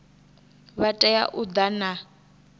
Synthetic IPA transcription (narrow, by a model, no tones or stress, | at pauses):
βatʼɛja̰ʔud̪ana